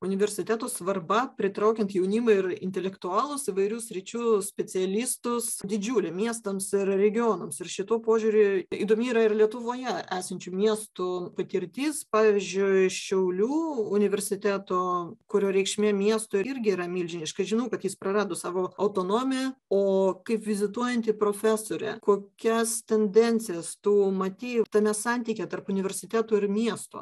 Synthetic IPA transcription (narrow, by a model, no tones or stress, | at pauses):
ʊnʲɪʋʲɛɾʲsʲɪt̪ʲæːt̪oːsʋɐrbɐpʲɾʲɪt̪ɾɐʊkʲɛnt̪jɛʊnʲiːmɐɪrɪnʲt̪ʲɛlʲɛkt̪ʊɑːlˠʊsɪʋɐɪɾʲuːsʲɾʲɪt͡ʃʲuːsʲpʲɛt͡s̪ʲɪɛlʲiːst̪ʊsd̪ʲɪd͡ʒʲuːlʲɛmʲiɛst̪ɐmsɪrɾʲɛɡʲɪoːnomsɪɾʃʲɪt̪uːpoːʒʲuːɾʲʊiːd̪oːmʲiiːɾɐɪrlʲiɛt̪ʊʋoːjɛæːsɐnʲt͡ʃʲumʲiɛst̪ʊpɐt̪ʲɪɾʲt̪ʲiːspɑːʋʲizʲd͡ʒʲʊɪʃʲɛʊlʲuːʊnʲɪʋʲɛɾʲsʲɪt̪ʲæːt̪oːkʊɾʲoːɾʲɛɪkʃʲmʲeːmʲiɛst̪oːɪɾʲɡʲɪiːɾɐmʲiːlʲd͡ʒʲɪnʲɪʃkɐɪʒʲɪnɐʊkɐt̪jɪspɾɐɾɑːd̪oːsɑːʋoːɐʊt̪oːnoːmʲɪjɛoːkɐɪpʋʲɪzʲɪt̪uɔjɛnʲt̪ʲɪpɾoːfʲæːsoːɾʲɛ̰koːkʲɛst̪ʲɛnʲd̪ʲɛnʲtsʲɪjɛst̪umɐt̪ʲiːt̪ɐnʲɛsɑnʲt̪ʲiːkʲɛt̪ɐrpʊnʲɪʋʲɛɾʲsʲɪt̪ʲæːt̪oːɪɾmʲiɛst̪o̰ː